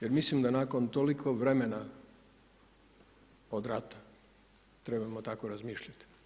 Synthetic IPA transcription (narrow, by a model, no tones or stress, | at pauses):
jeɾmislimd̪anako̞nt̪olikʰoʋɾe̞mena | od̪ɾat̪ḁ | t̪ɾe̞bamot̪akoɾazmiːʃʎʲat̪i̥